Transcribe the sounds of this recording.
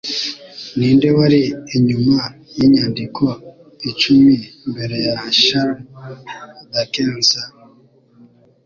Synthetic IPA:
niːnde̞waɾiiɲumajiɲandikʰo | it͡ʃumimbe̞ɾe̞jaʃaɾm | dakeːnza

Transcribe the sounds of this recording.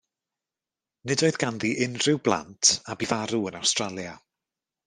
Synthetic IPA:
nɨdoɨðɡanðiʔɪnrɪwblˠa̰ntʰabivaɾuənawstralˠja

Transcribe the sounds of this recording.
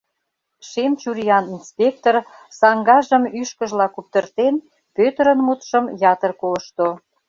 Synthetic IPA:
ʃemt͡ɕuɾiɑninspʲek̚t̪orsɑŋɡɑʒə̆myʃkə̆ʒlɑkup̚t̪ərt̪en | pøt̪əɾə̆nmut̪ʃə̆mjɑt̪ərkoləʃt̪o

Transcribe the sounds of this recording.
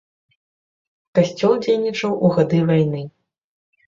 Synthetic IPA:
kasʲt͡sʲɔlˠd͡zʲejnʲit͡ʂɐwʔuɣad̪ɨvajnɨ

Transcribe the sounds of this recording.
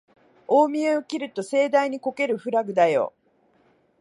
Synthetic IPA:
o̞ːmʲieokʲiɾɯ̟t̪o̞se̞ːd̪aiɲ̟iko̞ke̞ɾɯ̟ɸɯ̟ɾaɡɯ̟d̪ajo̞̰ː

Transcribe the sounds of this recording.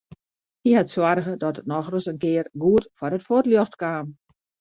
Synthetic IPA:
hihatswarɣədɔtət̚nɔxrəsənkɪərɡuətfɔɾətfotljoxtkaːm

